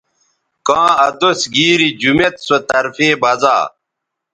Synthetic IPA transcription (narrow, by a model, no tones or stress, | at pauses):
kãːɐd̪osɡiːɾid͡ʑumet̪sot̪ɐɾfeːbɐza̰ː